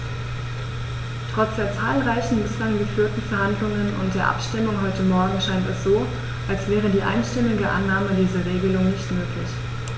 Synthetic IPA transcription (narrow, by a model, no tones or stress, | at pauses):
tʁ̥ɔt͡sd̥eːɐt͡saːlʁaɪçn̩bɪslaŋɡəfyːɐtn̩fɛɐhandlʊŋənʊ̰nt̚d̥eːɐʔa̰pʃtɪmʊŋɦɔʏtəmɔɐɡŋ̩ʃaɪntɛsz̥oː | ʔalsv̥ɛːʁ̞ədiːʔa̰ɪnʃtɪmɪɡəʔa̰nːaːmədiːzɐʁeːɡəlʊŋnɪçtmøːklɪç